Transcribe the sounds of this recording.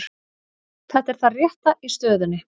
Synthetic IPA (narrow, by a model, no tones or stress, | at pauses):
θɛht̪ɛɾ̥θarjɛht̪aʔist̪œːðʏnːɪ